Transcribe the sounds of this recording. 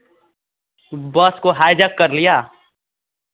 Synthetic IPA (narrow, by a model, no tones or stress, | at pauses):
bəskoɦaːjd͡ʒəkːəɾlijaː